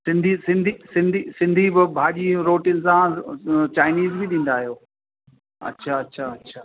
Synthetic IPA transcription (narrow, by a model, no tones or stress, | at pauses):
sɪ̃nd̪ʱisɪ̃nd̪ʱisɪ̃nd̪ʱisɪ̃nd̪ʱibɪbʱaːʄiːɾoːʈijənɪ̆sãt͡ɕaːɪniːzbɪɗĩːnd̪aːɦijoː | ɐ̰tːɕʰaɐtːɕʰaɐtːɕʰaː